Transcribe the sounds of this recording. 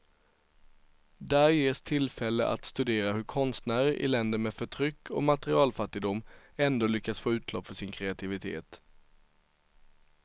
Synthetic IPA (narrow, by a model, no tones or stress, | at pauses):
d̪æːɾjeːst̪ʰɪlfɛlːə̰ʔa̰t̪st̪ɵd̪eːɾaɦɵɾkʰɔnst̪næːɾəɾʔɪ̰lɛnd̪əɾmeːfœʈʰɾʏkʰːɔ̰mat̪ɛɾɪɑːlfat̪ːɪɡd̪ʊmː | ɛnd̪oːlʏkːat̪sfoːʉ̟ːt̪ʰlɔpfœʂɪnkʰɾɛat̪ʰɪvɪt̪ʰḛːt̪